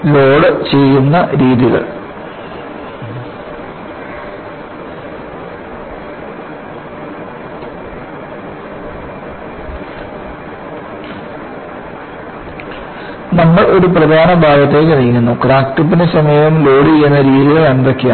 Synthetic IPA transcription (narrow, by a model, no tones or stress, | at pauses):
lo̞ːɽɨt͡ɕe̞jːunːɐɾiːðiɣɐ̰ɭ | nɐmːɐɭo̞ɾuprɐd̪ʱaːnɐbʱaːɡɐt̪ːe̞ːkːɨniːnːenːokːɾaːkʈːɐp̬ːinesɐmɐjɐʋɐmlo̞ːɽid͡ʑejːunːɐɾiːðiɣɐɭeɳʋekːija̰